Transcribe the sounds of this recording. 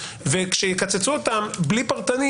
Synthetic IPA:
vekʃejekat͡set͡suot̪amblipaʁt̪ani

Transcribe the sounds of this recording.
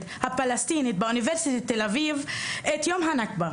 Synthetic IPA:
t̪hapalest̪init̪̚beuniveʁsit̪it̪ːelavivʔet̪jomɦanakba

